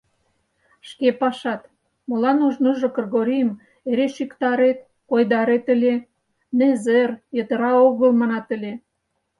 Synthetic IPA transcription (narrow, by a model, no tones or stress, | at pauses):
ʃkepɑʃɑt̪ | molɑnuʒnoʒokrɣoɾʲijəm | eɾeʃikt̪ɑɾet̪̚ | kojd̪ɑɾet̪ə̆lʲe | nezerjət̪ə̆ɾɑoɣə̆lmɑnɑt̪ə̆lʲe